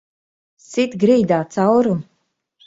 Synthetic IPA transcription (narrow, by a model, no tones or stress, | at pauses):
sit̪ɡɾiːd̪aːt̪sawɾu